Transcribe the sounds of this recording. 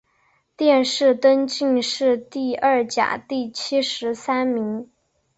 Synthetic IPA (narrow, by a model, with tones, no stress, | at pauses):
t̪jɛ˥˧nʂɻ̩˥˩t̪ə˥nt͡ɕi˥˧ŋʂɻ̩˥˧t̪i˥˧ɐ˞˥˩t͡ɕja̰˨˩t̪i˥˩t͡ɕʰi˥ʂɻ̩˧˥sa˥nmi˧˥ŋ